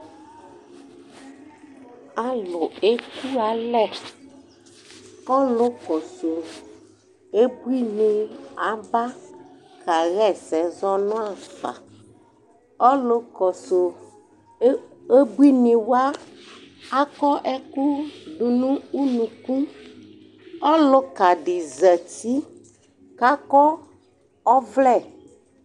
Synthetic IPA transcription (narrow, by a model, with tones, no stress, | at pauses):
a˦lʊ˨e˦ku˦a˨˦lɛ˦˨ | ɔ˦lʊ˦kɔ˨so˨ | e˦bu˦i˦nĩ˨a˨ba˦ | ka˨ɣɛ˦˨sɛ˨zɔ˦nʊ̃˦a˦˨fa̰˨ | ɔ˦lo˦kɔ˨so˨˦ | e˦bu˦i˦nĩ˨wo˦a˦ | a˦kɔ˦ʔe˦ku˦ɖu˨nũ˦u˦nũ˨kũ˦ | ɔ˦lo˨ka˨ɖi˨zɛ˨ti˦ | ka˦kɔ˦ | ɔ˦vlɛ˦˨